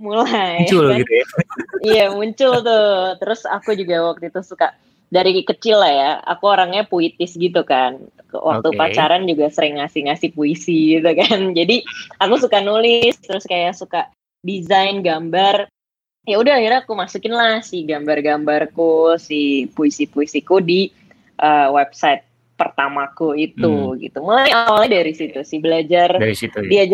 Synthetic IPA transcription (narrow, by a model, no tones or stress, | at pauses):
mulajʊlit̪ujijamuɲt͡ʃʊlt̪̬ʊt̪əɾʊsa̰kud͡ʒuɡawak̚t̪uit̪ʊsuka | daɾikət͡ʃɪlːahjaa̰kuoɾaŋɲapuit̪ɪsɡit̪ukan̰wakt̪upat͡ʃaɾand͡ʒuɡasəɾɪŋːasɪhŋasɪhpuisiɡit̪ukand͡ʒadiakusukanulɪstt̪əɾʊskajasuka | dizajnɡambar | jaudahahirɲakumasukɪnlahsɪɡambarɡambarkusihpuisipuisikudi | ʔəwɛb̚saɪt̪̚ | pərt̪amakuit̪uɡḭt̪umulaajawalɲadaɾisit̪usɪhbəlad͡ʒardiad͡ʒ